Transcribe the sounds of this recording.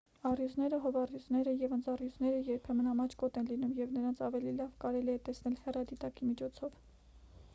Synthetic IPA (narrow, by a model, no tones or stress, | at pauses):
ɑrjuznɛɾəɦɔvɑrjuznɛɾəjɛvənd͡zɑrjuznɛɾəjɛɾpʰɛmənɑmɑt͡ʃʰkɔt̪ɛnlinumjɛvnəɾɑnt͡sʰɑvɛlilɑvkɑɾɛliɛt̪ɛsnɛlhɛrɑd̪it̪ɑkimit͡ʃʰɔt͡sʰɔv